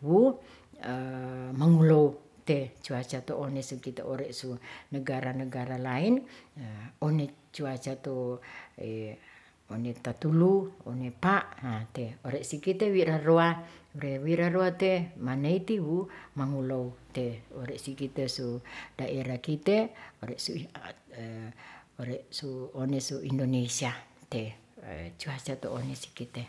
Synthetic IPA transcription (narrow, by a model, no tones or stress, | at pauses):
wu | maŋulou | t̪et͡ʃuat͡ʃat̪oʔonesukit̪ḛoɾeʔsunəɡaɾanəɡaɾalain | onet͡ʃuat͡ʃat̪oe | onet̪at̪uluonepaʔat̪eoɾeʔsikit̪ewiɾaroauɾewiɾaroat̪emaneit̪iumaŋulout̪eoɾeʔsikit̪esudaʔeɾakit̪eoɾeʔsu | oɾeʔsuonesuindonesiat̪e | t͡ʃuat͡ʃat̪o̰onesi̥kit̪e